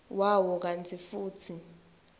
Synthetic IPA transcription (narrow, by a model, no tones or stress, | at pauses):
wawɔk̬antʰifuːtʰi